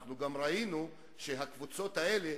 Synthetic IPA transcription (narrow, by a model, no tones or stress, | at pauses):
χnuɡamɾainu | ʃeɦakvut͡so̞t̪ae̞le